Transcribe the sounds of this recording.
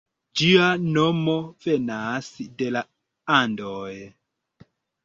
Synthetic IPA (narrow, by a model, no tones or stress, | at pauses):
d͡ʒianomovenasde̞la | andoj